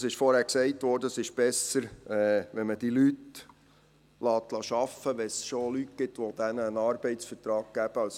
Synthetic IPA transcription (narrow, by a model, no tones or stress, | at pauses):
sɪʃfɔɾhæːɾksɛɪtʋɔːɾdəsɪʃb̥ɛsəɾɛʋɛnməd̥ilyt | lɑːt̪lɑʃɑfəʋɛsʃolytɡ̥ɪt̪ʋod̥̪ænəənɑːɾbɛɪt͡sfəɾt̪ɾɑːɡ̥̚ɡ̥æb̥əɑls